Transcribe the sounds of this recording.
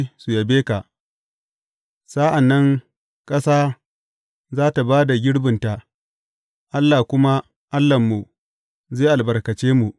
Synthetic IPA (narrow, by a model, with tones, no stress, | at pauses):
su˨jɐ˨beː˦ka˨ʔ | sa˦ʔa˨nːɐ˦ŋ | kʼɐ˦saː˦ | zaː˦ta˨baː˦da˨ɡʲɪ˦ɽbɪ˨nta˨ | ʔa˦lːaː˨kʷʊ˦ma˦ | ʔa˦lːɐ˨mːu˨ | zeː˦˨ʔa˨lbɐ˨rkɐ˨t͡ʃeː˦mu˨ʔ